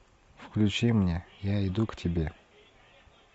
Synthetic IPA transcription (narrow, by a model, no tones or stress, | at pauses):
fklʲʉt͡ɕimnʲejaɪd̪uktʲɪbʲe